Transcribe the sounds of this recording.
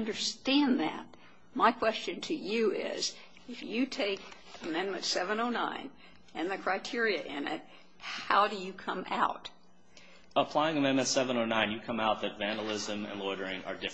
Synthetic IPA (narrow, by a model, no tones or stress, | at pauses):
ʌ̃ndə˞stæ̃nðɨ̰t̚ | maɪkʰw̥ɛst͡ʃɨ̃ntʰɨjɨɪ̰z | ɨfjɨtʰeɪk | ɨmɛ̃nmɨ̃ntsɛvə̃noʊnã̰ɪ̃n | ɨ̃nðɨkʰɹ̥aɪtʰɪɹiɨʔɪ̃nɪ̰t̚ | haʊɾɨjɨkʰʌ̃ma̰ʊt̚ | əpʰl̥aɪɪ̃ŋɨmɛ̃nmɨ̃ntsɛvə̃noʊnãɪ̃njɨkʰʌ̃maʊt̪̚ðɨtvæ̃ndl̩ˠɪzɨ̃mɨ̰̃nlɔɹɾə˞ɪ̃ŋə̰˞dɪ